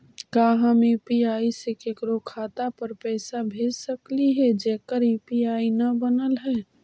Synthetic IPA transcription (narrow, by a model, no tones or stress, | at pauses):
kaːɦəmipiaːisekekɾokʰaːt̪apəɾpɛːsabʱeːd͡ʒsəkliɦɛd͡ʒɛːkəɾiːpiaːinɐbənəlɦɛː